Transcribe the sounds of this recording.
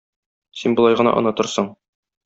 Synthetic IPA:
sinbŏlˠɑjʁɤ̆nɑ̰ʔɒ̰̆nɤt̪ŏɾsɤɴ

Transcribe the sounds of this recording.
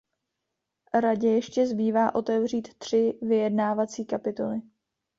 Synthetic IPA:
ɾaɟɛjɛʃcɛzbiːvaːʔo̞t̪ɛvr̝iːt̪ːr̝̥ɪvɪjɛdnaːvat͡siːkapɪt̪o̞lɪ

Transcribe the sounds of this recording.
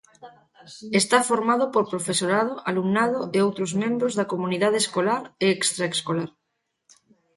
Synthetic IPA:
est̪afoɾmaðopoɾpɾofesoɾað̞oʔalumnaðoeowt̪ɾozmẽmbɾozðakomuniðað̞eːskolaɾeekst̪ɾaeskolaɾ

